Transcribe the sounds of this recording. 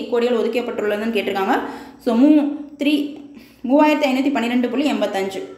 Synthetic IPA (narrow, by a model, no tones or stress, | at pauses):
kːoːɽɪɣɐɭɔðɯkːɪjɐpːɐʈːɾɯɭːɐɾndɯnːɯkeːʈːɪɾɯkːaːŋɡɐsoːmuːt̪ɾiː | muːʋaːjɪɾɐt̪ːiɐɪnbɐt̪̬ːipɐnːɪɾɛɳɖɯpʊlːiɛmbɐt̪ːɐɲd͡ʒɯ